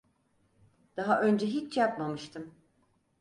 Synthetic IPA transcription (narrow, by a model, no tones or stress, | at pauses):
d̪̥aɦaʔø̞nd͡ʒɛɦit͡ʃjapmamɯʃt̪ʰɯm